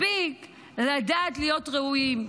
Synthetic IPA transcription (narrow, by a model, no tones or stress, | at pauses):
bik | ladaːtlijo̞tʁeuim